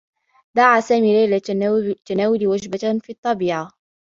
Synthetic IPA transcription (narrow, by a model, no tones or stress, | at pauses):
d̪aʕasaːmiːlajlat̪anaːwɪlwad͡ʒbafiːt̪ˤːɑbiːʕa